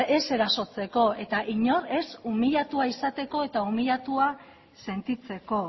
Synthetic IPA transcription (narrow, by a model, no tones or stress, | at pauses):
e̞se̞ɾaso̞t͡se̞ko̞e̞t̪aʔiɲo̞ɾe̞sumiʎat̪uaisat̪e̞ko̞e̞t̪aumiʎat̪ua | se̞nt̪it͡se̞ko̞